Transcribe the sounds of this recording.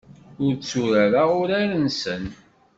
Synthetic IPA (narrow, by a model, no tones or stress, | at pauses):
ʊɾt͡sːuɾæɾaʊɾaɾənsən